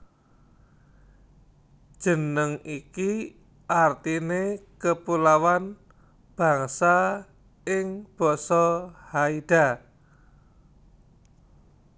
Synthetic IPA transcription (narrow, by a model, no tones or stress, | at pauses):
ʒ̥ə̤nəŋiki | ʔart̪inekəpulawan | b̥a̤ŋsa | ɪŋb̥ɔsɔhaid̥a